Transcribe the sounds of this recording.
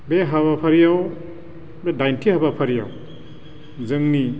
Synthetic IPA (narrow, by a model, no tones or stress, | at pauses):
beɦaβapʰɐɾijaw | bedajntʰihabapʰɐɾija̰w | zɯŋni